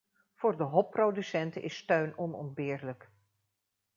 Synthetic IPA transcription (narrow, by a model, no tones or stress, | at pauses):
v̥ʊːɹdəɦɔpːrowdysɛntəʔɪstøɥnɔnɔ̰nd̚bɪːɹlək